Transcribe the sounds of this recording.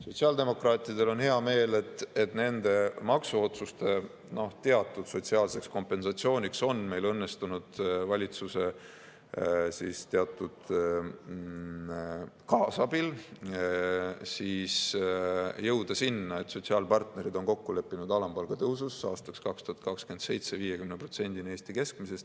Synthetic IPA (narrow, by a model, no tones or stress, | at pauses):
so̞t̪siɑːld̪e̞mo̞krɑːt̪ˑid̪e̞lo̞nhe̞ɑme̞ːle̞t̪ːˑet̪ne̞nd̪̥e̞mɑksuo̞t̪sust̪e̞ | no̞ht̪e̞ɑt̪ːˑud̪̥so̞tʲsiɑːlse̞ksko̞mpːˑe̞nsɑt̪sio̞ːnʲikso̞nme̞jlɤnːe̞st̪unud̪̥vɑlʲit̪suse̞ | siːst̪e̞ɑt̪ːˑud̪̥ | kɑːsɑbil | siːs | jɤwd̪̥ɑsinːɑe̞t̪ːso̞t̪siɑːlpɑrt̪ne̞ɾid̪̥o̞nko̞kːule̞pːinud̪ɑlɑmb̥ɑlɡ̥ɑt̪ɤususɑːst̪ɑ̥kskɑkst̪uhɑt̪̚kɑkskye̞nd̪se̞jt̪se̞viːje̞kymnepro̞t̪se̞nʲd̪inie̞ːst̪ike̞sk̚mise̞st̪